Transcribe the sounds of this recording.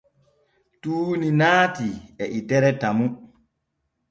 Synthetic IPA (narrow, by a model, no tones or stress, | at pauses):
tuːninaːtiɛʔitɛɾɛtamu